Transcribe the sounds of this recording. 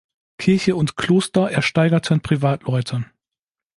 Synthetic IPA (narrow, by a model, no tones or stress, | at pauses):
kʰɪɐçəʊntkʰl̥oːstɐʔɛɐʃtaɪɡɐtʰɪnpʁ̥ivaːtʰlɔʏtʰə